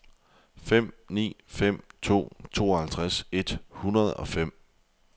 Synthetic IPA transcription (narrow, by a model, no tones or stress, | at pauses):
fem̰nḭːfem̰t͡sʰo̝̰ːt͡sʰo̝̰ːɒhælt͡sʰʁase̝d̥hunɐð̞̩ˠɒ̽fem̰